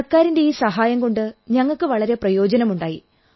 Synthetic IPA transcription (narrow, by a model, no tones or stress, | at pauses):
rkaːɾinde̞iːsɐɦaːjɐmɡo̞ɳɖɨɲɐŋːɐɭkɨʋɐɭɐɾe̞prɐjo̞ːd͡ʑɐnɐmuɳɖaːji